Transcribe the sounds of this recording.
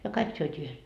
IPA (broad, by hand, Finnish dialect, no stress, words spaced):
jɑ kɑik syøtʲiː yhes